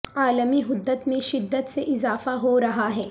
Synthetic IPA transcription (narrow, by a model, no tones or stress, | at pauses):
aːləmiɦʊd̪ːət̪mẽʃɪd̪ːət̪seʔɪzaːfaɦoɾɐɦaɦɛː